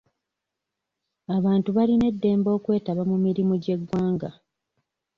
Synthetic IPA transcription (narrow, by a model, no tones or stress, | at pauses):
aβaːntuβaline̞dːe̞ːmbo̞ːkwe̞ːtaβamumiɾimuɟe̞ɡwaːŋɡa